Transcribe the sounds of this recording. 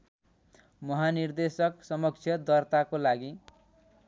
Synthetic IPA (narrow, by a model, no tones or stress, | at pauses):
mʌɦanird̪esʌksʌmʌk̚t͡sʰjʌd̪ʌrt̪akolaɡi